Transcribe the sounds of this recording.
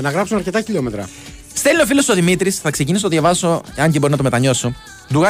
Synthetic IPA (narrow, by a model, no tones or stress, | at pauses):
nɐɣɾɐpsunɐɾce̞t̪ɐçiʎo̞met̪ɾɐ̰ | st̪elio̞filo̞soðimit̪ɾisθɐkse̞cinisot̪oðjɐvɐso̞ceɐɲɟibo̞ɾinɐt̪omet̪ɐɲo̞so | d̪uɣɐ